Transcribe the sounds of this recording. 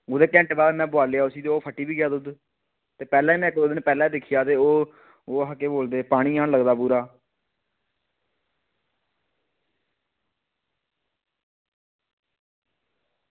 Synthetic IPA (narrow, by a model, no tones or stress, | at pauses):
oːd̪eːkɛ̃ːɳʈbaːd̪mɛ̃ːbʊaːleːaːʊsiːd̪oːpʰəʈːiːbiːɡɪjaːd̪ʊd̪ | t̪eːpɛːlãiːmɛ̃ːkːɾoːd̪ɪnpɛːlãːĩːd̪ɪkʰijaːt̪eːoː | oːɦəkːeːboːld̪eːpaːɽ̃iːaːɳləɡd̪aːpuːɾaː